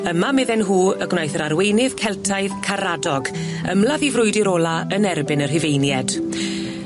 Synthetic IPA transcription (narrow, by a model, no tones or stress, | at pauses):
əmamɪðɛnɦuːəɡnajθəɾaɾwejnɪv̥kʰɛlˠtʰaɨðkʰaɾadɔɡ | ə̰mlaðivrʊɨdɪɾɔːlˠaənɛrbɪnər̥ɪvejnjɛd̥